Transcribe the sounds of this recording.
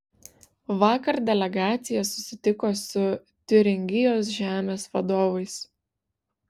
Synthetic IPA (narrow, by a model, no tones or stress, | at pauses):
ʋɑːkɐɾd̪ʲɛlʲɛɡɑːt̪sʲɪjɛsʊsʲɪt̪ʲɪkoːsʊ | t̪ʲʊɾʲɪŋʲɡʲɪjoːs̬ʒʲæːmʲeːsʋɐd̪oːʋɐɪs